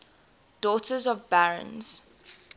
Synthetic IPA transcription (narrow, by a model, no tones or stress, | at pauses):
d̥ɔˑtʰəzɔvbæɹə̰̃nz̥